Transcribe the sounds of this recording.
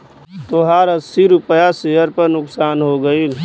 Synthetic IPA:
t̪oɦaːɾɐsiɾʊpəjaseɦəɾpɐɾnʊksaːnɦoɡɐi

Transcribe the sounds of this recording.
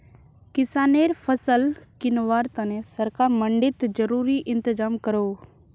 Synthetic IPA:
kɪsaːneːɾpʰəsəlkɪnʋaːɾt̪ənẽsəɾkaːɾməɳɖɪt̪d͡ʒəɾuːɾiʔɪ̃nt̪ɪzaːmkəɾoː

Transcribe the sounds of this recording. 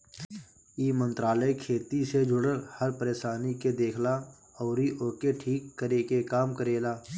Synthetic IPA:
iːmə̃nt̪ɾaːləekʰeːt̪ised͡ʒʊɽəɾhəɾpəɾeːʃaːniked̪eːkʰla | ɔːɾiʔoːkeʈʰiːkːəɾeːkekaːmkəɾeːlaː

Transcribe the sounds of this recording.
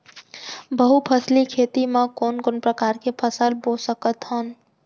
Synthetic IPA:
bəɦupʰəslikʰeːt̪imẽkoːnkoːnpɾəkaːɾkepʰəsəlbosəkət̪ɦən

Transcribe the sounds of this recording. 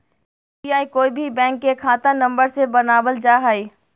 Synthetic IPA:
iaːikoːibʱibɛ̃ːŋkːekʰaːt̪anɐ̃mbəɾsebənaːbəld͡ʒaːɦaiː

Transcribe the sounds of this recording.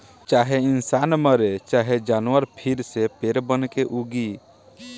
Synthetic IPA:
t͡ʃaɦeinsanməɾet͡ʃaɦed͡ʒanwəɾpʰiɾsepeɾbənkeʔuɡi

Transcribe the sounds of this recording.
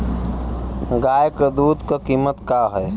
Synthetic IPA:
ɡaːjɪkd̪uːd̪kakiːmət̪kaːɦɛː

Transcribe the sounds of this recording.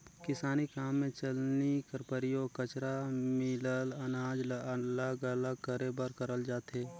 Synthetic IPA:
kɪsaːnikaːmːẽt͡ʃəlnikəɾpəɾijokət͡ʃɾamɪlələnaːd͡ʒləlaɡələkəɾebəɾkəɾəld͡ʒaːt̪ɦeː

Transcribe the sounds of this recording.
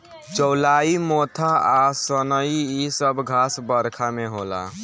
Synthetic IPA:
t͡ʃɔwlaimot̪ʰaasənəiisəbɡʱasbəɾkʰameɦola̰

